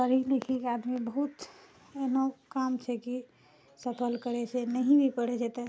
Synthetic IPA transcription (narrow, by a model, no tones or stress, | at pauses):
pəɾilekʰikiad̪mibəɦut̪ | enokamt͡ʃʰɛki | səpʰəlkəɾɛt͡ʃʰɛnəɦibʱipəɽɛt͡ʃʰɛt̪ə